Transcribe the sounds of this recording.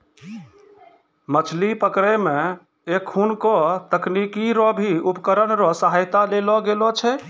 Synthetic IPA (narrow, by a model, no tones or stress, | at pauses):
mət͡ʃʰlipəkɾeme | ekʰːunkɔt̪əknikiɾɔbʱiupkəɾənɾɔsəɦajt̪alelɔɡelɔt͡ʃʰɛ